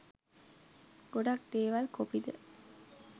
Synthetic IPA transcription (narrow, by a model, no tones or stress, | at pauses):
ɡ̥oɖak̚d̪̥eːʋalkopid̪ə̰